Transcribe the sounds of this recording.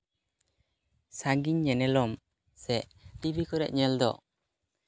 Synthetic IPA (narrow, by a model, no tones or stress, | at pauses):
saɡiɲːɛnɛlɔm | sɛʔʈibikɔɾɛʔ̚ɲɛld̪ɔ̰